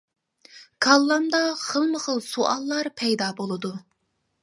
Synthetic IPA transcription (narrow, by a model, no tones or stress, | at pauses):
kʰɑlˠːɑmd̪ɑχəlˠməχəlˠsuʔɑlˠːɑɾpʰɛjd̪ɑːbolˠɨd̪u